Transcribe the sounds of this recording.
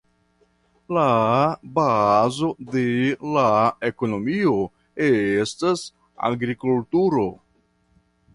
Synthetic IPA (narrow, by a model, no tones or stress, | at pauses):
labazo̞de̞lae̞ko̞no̞mio̞ | estas | a̰ɡɾikultuɾo̞